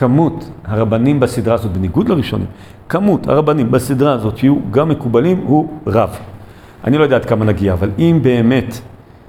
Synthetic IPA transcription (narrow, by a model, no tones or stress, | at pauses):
kamuthaʁabanimbasid̪ʁaːzo̞t̪̚beniɡudlaʁiʃo̞̰nʔḭm | kamutha̰ʁabanimbasidʁaːzo̞t̪hijuɡamːe̞kubalimhuʁav | ʔa̰nilo̞jdaːtkamanaɡiaːvalimbe̞ːme̞t